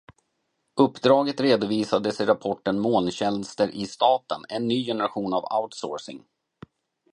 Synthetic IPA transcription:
ɵpːd̪ɾɑːɡət̪ɾeːd̪ʊviːsad̪əsɪɾapʰɔʈːənmoːnɕɛnst̪əɾʔɪst̪ɑːt̪ənɛnːyːjɛnɛɾaɧuːnava̰ʊt̪so̰ːɾsɪ̰ŋ

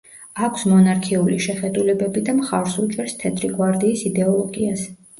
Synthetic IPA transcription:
akʷʰsmɔnaɾkʰiuliʃɛχɛd̪ulɛbɛbid̪amχaɾsut͡ʃʼɛɾst̪ʰɛt̪ʰʼɾiɡwaɾd̪iːsid̪ɛɔlˠɔɡias

